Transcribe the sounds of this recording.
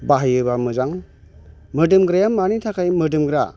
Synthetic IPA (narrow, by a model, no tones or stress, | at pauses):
baɦɯjɯbamɯzaŋ | mɯdɯmɡɾajamːanitʰakʰajmɯdɯmɡɾa